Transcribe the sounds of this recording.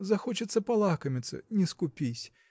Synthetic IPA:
zɐxɔt͡ʃɪt̪sːɐpɐlˠakɐmʲɪt̪sɐ̰nʲiskʊpʲisʲ

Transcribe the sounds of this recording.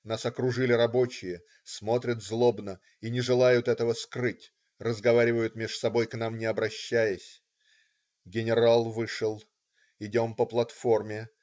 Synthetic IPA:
nasɐkɾʊʐɨlʲɪɾɐbo̞t͡ɕɪjə | smo̞t̪ɾʲət̪zlˠo̞bnə | inʲɪʐɨlˠajʊt̪ɛt̪əvəskrɨtʲ | rəzɡɐvaɾʲɪvəjʊt̪mʲɪʂsɐbo̞jknamnʲɪɐbɾɐɕːæjəsʲ | ɡʲɪnʲɪɾalˠvɨʂɨlˠ | ɪdʲo̞mpəplˠɐt̪fo̞rmʲɪ

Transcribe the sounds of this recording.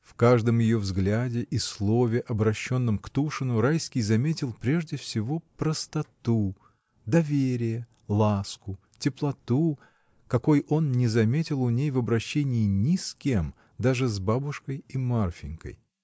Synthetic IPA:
fkaʐd̪əmjɪjo̞vzɡlʲadʲɪʔislˠo̞vʲɪʔɐbɾɐɕːo̞nːəmkt̪uʂɨnʊɾajskʲɪjzɐmʲetʲɪlˠpɾʲe̞ʐdʲɪfsʲɪvo̞pɾəst̪ɐt̪u | d̪ɐvʲeɾʲɪjə | lˠaskʊ | tʲɪplˠɐt̪u | kɐko̞jʔo̞nnʲɪzɐmʲetʲɪlˠʊnʲejvɐbɾɐɕːenʲɪːnʲɪskʲem | d̪aʐɨzbabʊʂkəjimarfʲɪŋʲkə̰j

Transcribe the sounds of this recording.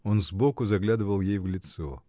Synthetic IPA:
onzbokʊzɐɡlʲad̪ɨvəlˠjejvɡlʲɪt̪so

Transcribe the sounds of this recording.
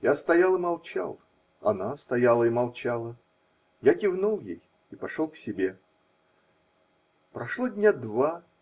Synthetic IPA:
jast̪ɐjalˠɨmɐlˠt͡ɕa̰lˠ | ɐ̰nast̪ɐjalˠəimɐlˠt͡ɕalˠə | jakʲɪvnulˠjḛj | ipɐʂolˠksʲɪbʲe̞ | pɾɐʂlˠodʲnʲad̪va

